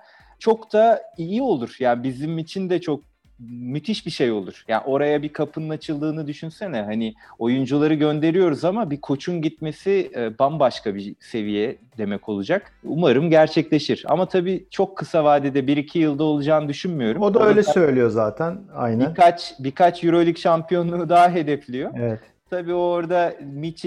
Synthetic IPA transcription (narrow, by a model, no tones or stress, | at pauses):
t͡ʃʰo̞kt̪ʰaijio̞lˠuɾ̥jaːnbizimit͡ʃʰind̪ɛt͡ʃʰo̞k̚ | myt̪ʰiʃbiʃe̞jo̞lˠuɾ̥ja̰ːo̞ɾajabikʰapʰɯnɯnat͡ʃʰɯlˠd̪ɯːnɯd̪yʃynsɛnɛɦanio̞jund͡ʒulˠaɾɯɟø̞nd̪e̞ɾijo̞ɾuzamabikʰo̞t͡ʃʰunɟit̪me̞sibanbaʃkʰabise̞vijɛd̪e̞mɛko̞lˠud͡ʒak | ṵmaɾɯmɟæɾt͡ʃʰɛclʲe̞ʃiɾa̰mat̪ʰabiːt͡ʃʰo̞kʰːɯsavaːd̪ɛd̪ɛbiɾicʰijɯlˠd̪ao̞lˠud͡ʒaːnɯd̪yʃynmijo̞ɾumod̪aøjlʲɛsøjlʲijo̞zaːt̪ʰæna̰jnænkat͡ʃbikʰat͡ʃjuɾo̞lʲycʃampʰijo̞nːˠud̪aɦaɦe̞d̪ɛflʲijo̞evɛt̪ | t̪ʰabiːoɾd̪amit͡ʃ